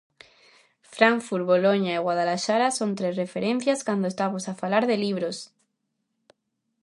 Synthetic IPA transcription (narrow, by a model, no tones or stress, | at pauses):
fɾaɱfuɾβoloɲaiɣwaðalaʃaɾaso̞nt̪ɾe̞szre̞feɾẽn̟θjaskwand̪oest̪amosafalaɾðe̞liβ̞ɾos